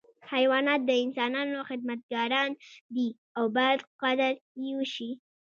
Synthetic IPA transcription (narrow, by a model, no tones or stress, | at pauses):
hajwɑnɑt̪̚d̪əɪnsɑnɑnoxɪd̪̚mat̪̚ɡɑɾɑnd̪i | awbɑjad̪qad̪əɾjewəʃi